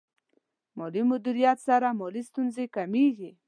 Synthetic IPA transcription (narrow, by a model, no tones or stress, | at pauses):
mɔlimʊd̪iɾijat̪saɾamɔlist̪unzekameɡi